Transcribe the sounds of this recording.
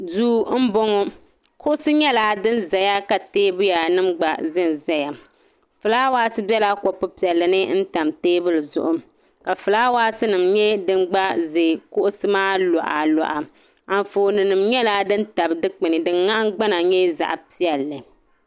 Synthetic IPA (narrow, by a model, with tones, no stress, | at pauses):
duː˦m̩˦bɔ˦ŋɔ˦ | kʰʊ˦ʔʊ˦sɨ˦ɲɛ˦laː˨˦dɨ˦nza˨ja˦ka˨teː˦bʊ˦ja˨nɨ˦mɡ͡ba˨zɪ˦n˨za˨ja˨ | fɨ˨laː˦waː˦sɨ˦bɛ˦laː˦ko˨pʊ˦pi˨ɛ˨lːɨ˨nɨ˦n̩˦ta˨mteː˦bʊ˦lɨ˨zʊ̰˦ʔʊ˦m | ka˨fɨ˨laː˦waː˦sɨ˦nɨ˨mɲɛ˦dɨ˦mɡ͡ba˦ze˨kʊ˦ʔʊ˦sɨ˦maː˦lɔ˨ʔa˨lɔ̰˨ʔa˨ | a˨n˨foː˨nɨ˨nɨ˨mɲɛ˦laː˦dɨ˦nta˨bdɨ˦k͡pɨ˨nɨ˨dɨ˨nŋa˦ʔɡ͡ba˦na˨ɲɛ˦za̰˨ʔpi˦ɛ˨lːɨ˨